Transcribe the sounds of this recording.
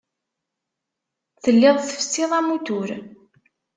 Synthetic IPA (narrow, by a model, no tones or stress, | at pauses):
θəlːɪðˤθə̥fə̥sːɪðˤæmut̪ʊɾ